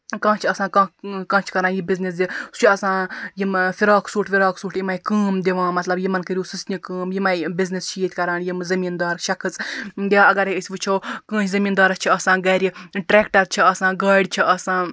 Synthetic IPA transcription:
kãːt͡ʃʰɐsãːkãːkɐ̃ːt͡ʃʰkɐɾãːnjibiznis̬d̪ʲist͡ʃʰiɐsãːjimfiɾaːksuːʈfʲiɾaːksuːʈjimɐjkɨːmd̪eʋãːmɐt̪lɐbjimɐnkɨɾʲjuːsusnʲikəːmjimɐjbiznist͡ʃʰiiːt̪ʲkɐɾãːnjimzɐmiːnd̪aːɾɐʃɐkʰɨt͡sd̪ʲaɐɡɐɾeisʲʋɨt͡ʃʰoːkɐ̃ːt͡ʃʰizɐmiːnd̪aːɾɐst͡ʃʰiɐsãːɡɐːɾʲiʈɾeːkʈɐɾt͡ʃʰiɐsãːɡaːɖʲt͡ʃʰiʔɐsãː

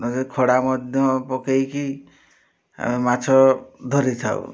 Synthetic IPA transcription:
nɔtekʰɔɽamɔd̪ʱjɔpɔkejki | a̰mimat͡ʃʰɔd̪ʱɔɾit̪ʰa̰w̰

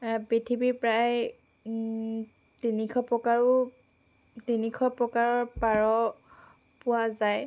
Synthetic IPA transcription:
pitʰibipɹaj | tinikʰɔpɹɔkaɹʊ | tinikʰɔpɹɔkaɹɔɹpaɹɔ | pʊwazaj

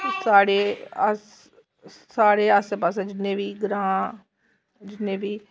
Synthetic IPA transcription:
saːɽeːəsː | aːɽeːəspasẽːd͡ʒɪnẽːʋiːɡɾãː | d͡ʒɪnːẽːbiː

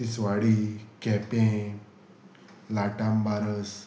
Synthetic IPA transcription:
isʋaɽikɛ̃pẽ | laʈãmbaɾəs

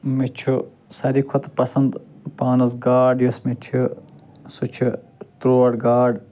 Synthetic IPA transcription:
mit͡ʃʰu | sɐɾiːkʰʊt̪pɐsɐnd̪paːnɐs̬ɡaːɖjusmit͡ʃʰu | sut͡ʃʰu | t̪ɾoːɖɡaːɖ

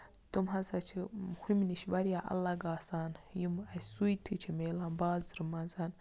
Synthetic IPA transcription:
tomɦazat͡ʃimhumniʃibaɾijaʔa̰lːaɡasaːnjimasuitʰit͡ʃimelambazɾumanzan

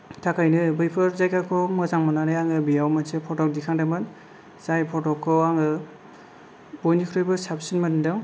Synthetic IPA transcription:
tʰakʰajnɯbɯjpʰɯɾzajkakʰɔmɯzaŋmanaɾajaŋɯbijawmɯnsepʰɔtɔk̚dikʰaŋdamɯn | sajpʰɔtɔkʰːɔaŋɯ | b̥ɔjnikʰɾɔjbɯsapsinmandɯŋ

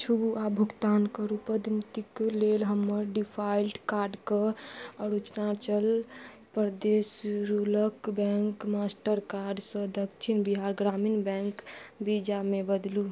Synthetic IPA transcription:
t͡ʃʰubuabʱuɡt̪ankəɾupəd̪nit̪iklelɦəmːəɾɖipʰailʈkaɾɖkəɔɾut͡ʃnat͡ʃəl | pɾd̪esɾuləkbɛ̃ŋkmasʈəɾkaɾɖsə̃d̪əkt͡ʃʰinbiɦaɾɡɾaminbɛ̃ŋkbid͡ʒamebəd̪lu

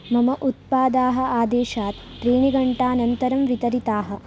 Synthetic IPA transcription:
mɐmɐʔut̪̚paːd̪aːɦɐ̆aːd̪eːʃaːt̪ | p̪ɾeːɳiɡɐɳʈaːnɐnt̪ɐɾɐmʋit̪ɐɾit̪aːɦɐ̆

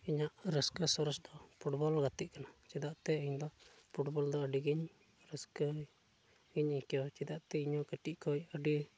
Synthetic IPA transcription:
iɲaʔɾəskəsɔɾɔsd̪ɔpʰuʈbɔlɡat̪iʔ̚kanat͡ʃid̪aʔt̪ɛəɲd̪ɔpʰuʈbɔld̪ɔəɖiɡiɲ | ɾəskə | ɡiɲikijɔt͡ʃid̪aʔt̪ɛiɲɔkəʈiʔkʰɔjəɖi

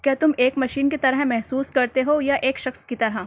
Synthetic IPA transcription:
kjaːt̪ʊmeːkmɐʃiːnket̪ɐɾəɦmɛɦsuːskɐɾt̪eɦojaʔeːkʃɐxskit̪ɐɾɦa

